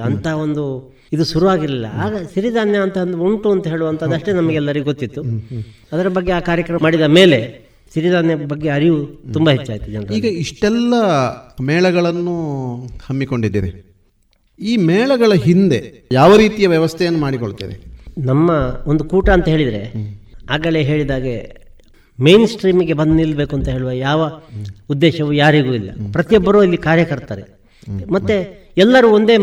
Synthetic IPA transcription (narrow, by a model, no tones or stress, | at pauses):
ɐnt̪ʰɐɦo̞nd̪u | id̪uʃuɾuʋaːɡiɾilːɐ̰aːɡɐʃiɾid̪ʱaːnjɐːnt̪ɐɐnd̪uuɳʈuɐnt̪ɐɦe̞ːɭuʋɐnt̪ɐd̪ɐʂʈenɐmɐɡeɛlːɐɾiɡuɡot̪ːit̪ːu | ɐd̪ɐɾɐbɐɡːeaːkaːɾjɐkɾɐmmaːɽid̪ɐme̞ːle̞ | siɾid̪ʱaːnjɐbɐɡːe̞ɐɾijut̪umbaɦet͡ʃːaːɡit̪ːud͡ʒɐnɾɐiːɡɐiʂʈɛlːɐmɛːɭɐɡɐɭɐnːuhɐmːiko̞ɳɖid̪ːiːɾḛ | iːmɛːɭɐɡɐɭɐɦind̪e̞ | jaːʋɐɾiːt̪ijɐʋjɐʋɐst̪ʰɛjɐnːumaːɽikoɭut̪ḭːɾḛnɐmːɐond̪ukuːʈɐɐnt̪ɐɦe̞ːɭid̪ɐɾeaːɡɐleɦe̞ːɭid̪aːɡe | mejnsʈɾiːmiɡe̞bɐnd̪ɐnilːɐbe̞ːkuɐnt̪ɐɦe̞ːɭuʋɐjaːʋɐud̪ːeːʃɐʋujaːɾiɡuːilːɐ̰pɾɐt̪ijobːɐɾoilːikaːɾjɐkɐɾt̪aːɾe | mɐt̪ːe | ɛlːɐɾuond̪e̞ː